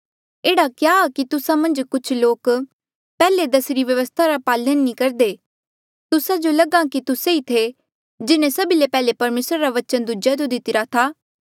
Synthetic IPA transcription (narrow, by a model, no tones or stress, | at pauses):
eːɽakjaːkit̪ʊsãmɐ̃nd͡ʒkʊt͡ʃʰloːk | pɛːled̪ɐsɾiʋjɐʋəst̪ʰaɾapaːlənːĩkɐɾd̪eː | t̪ʊsad͡ʒolɐɡãkit̪ʊseit̪ʰe | d͡ʒɪnẽsɐbilepɛːlepɐɾmeːsɾaɾaʋɐt͡ʃənd̪ud͡ʒad͡ʒod̪ɪt̪ɪɾat̪ʰaː